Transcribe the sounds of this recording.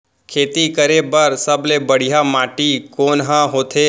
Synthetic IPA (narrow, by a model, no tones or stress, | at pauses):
kʰeːt̪ikəɾebəɾsəblebəɽ̤ijamaːʈikoːnɦãɦoːt̪ʰeː